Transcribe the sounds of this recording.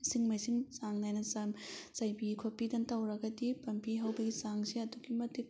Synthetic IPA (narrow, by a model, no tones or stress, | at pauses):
siŋmɐjsiŋsaŋnajnɐsɐmz̥ɐjbikʰopːidɐntɐwɾɐɡɐdipɐmpiɦɐwbɐɡisaŋsiɐduɡimɐtip̚